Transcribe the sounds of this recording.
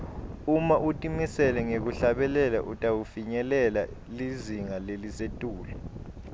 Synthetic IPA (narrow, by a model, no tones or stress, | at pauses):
umaʔutʼimisɛlɛŋek̬uɬaɓɛlɛla̰ʔutʼawufiɲɛlɛla | liziŋalelisetʼuːlɛ